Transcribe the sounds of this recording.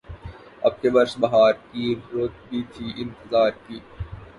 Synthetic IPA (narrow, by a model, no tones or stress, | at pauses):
ɐ̰b̚kebɐɾsbɐɦaːɾkiɾoːt̪̚bʱiːt̪ʰiːʔɪ̃nt̪ɪzaːɾkiː